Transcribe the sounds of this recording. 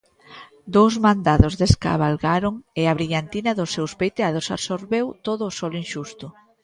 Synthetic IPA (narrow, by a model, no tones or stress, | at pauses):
d̪owzmand̪aðozðeska̰βalɣaɾoŋeaβɾiʎant̪inaðʊsːewspejt̪eaðosa̰βsoɾβewt̪oðʊːsɔlinʃust̪ʊ